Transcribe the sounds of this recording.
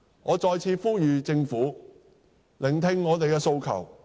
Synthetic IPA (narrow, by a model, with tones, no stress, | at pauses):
ŋɔː˨˧t͡ʃɔː˧jt͡sʰiː˧fuː˥jyː˨t͡sɪ˧ŋfuː˨˥ | lɪ˨˩ŋt̪ʰɪ˧ŋːɔː˨˧t̪e˨jkɛː˧so˧wkʰɐ̰˨˩w